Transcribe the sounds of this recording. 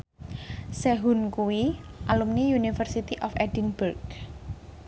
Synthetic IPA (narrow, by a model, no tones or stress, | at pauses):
sɛɦunkuwiʔalumniunifərsit̪iʔɔfɛdinburɡ